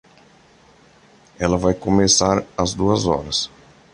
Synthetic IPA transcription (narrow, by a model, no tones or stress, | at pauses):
ɛlɐvajkomesaɾɐzd̪uɐzɔ̰ɾɐs